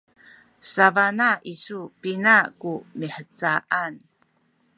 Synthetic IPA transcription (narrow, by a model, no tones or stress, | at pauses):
savanaʔisupinakumiħət͡saʔan